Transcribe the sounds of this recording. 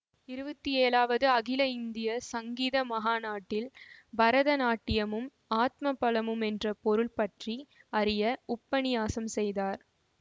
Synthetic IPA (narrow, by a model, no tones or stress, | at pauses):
ɪɾɯbɐt̪ːieːlaːʋɐðɯɐɣɪlɐɪnd̪ɪjɐsɐŋɡiːðɐmɐɦaːnaːʈːɪlbɐɾɐðɐnaːʈːɪjɐmɯm | aːt̪̚mɐpːɐlɐmɯmɛndrɐpɔɾɯɭpɐʈriɐɾɪjɐʊpːɐnɪjaːsɐmsɛjðaːɾ